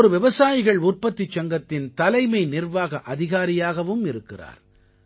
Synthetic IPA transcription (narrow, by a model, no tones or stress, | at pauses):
ɔɾɯʋɪʋɐsaːjɪɣɐɭʊrpɐt̪ːɪt͡ʃːɐŋɡɐt̪ːɪnt̪ɐlɐɪmɐɪnɪrʋaːɣɐʔɐðɪɣaːɾɪjaːɣɐʋɯmɪɾɯkːɪra̰ːɾ